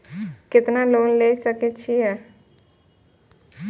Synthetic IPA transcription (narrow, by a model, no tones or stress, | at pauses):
kɪt̪naloːnleːsəket͡ʃʰiɛː